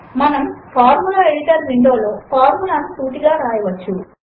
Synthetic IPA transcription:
mɐnɐmpʰaːɾmulaːeɽiʈɐɾʋiɳɖoːlo̞ːpʰaːɾmulaːnut̪uːʈiɡaːɾaːjɐʋɐt͡ʃːu

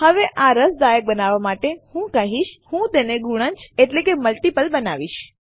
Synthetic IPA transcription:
həʋeʔaɾəsd̪ajək̚bənaʋamaʈehũkəɦiʃhũt̪eneɡuɽ̃ə̃ɲt͡ʃeʈlekeməlʈipəlbənaʋiʃ

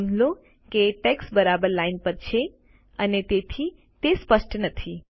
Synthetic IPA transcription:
nlo | keʈɛksbəɾabəɾlainpəɾt͡ʃʰe | ənet̪et̪ʰi | t̪espəʃʈnət̪ʰi

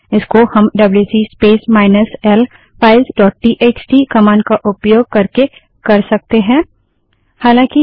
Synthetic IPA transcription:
ɪskohɐmɖɐbljuːsispeːsmaːɪnəsɛl | fʰaːɪlsɖɔːʈ̚ʈiːʔeːt͡ʃʈiːkɐmãːnɖkaʔʊpjoːɡ̚kɐɾke | kɐɾsɐk̚t̪eɦɛ̃ː | haːlãːki

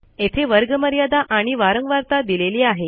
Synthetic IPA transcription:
et̪ʰeʋəɾɡəməɾjad̪aʔaɽ̃iʋaɾəŋɡʋaɾt̪ad̪ileliːaɦe

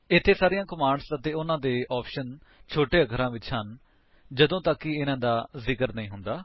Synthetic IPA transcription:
ɪt̪ʰːeːsaːɾijãːkəmaːɳɖsət̪eːʊnãːd̪eːʔɔːpʃən | t͡ʃʰoːʈeːəɡəɾãːʋɪt͡ʃɦən | d͡ʒəd̪õːt̪əkːɪɪnãːd̪aːzɪkəɾnəĩːɦʊnd̪aː

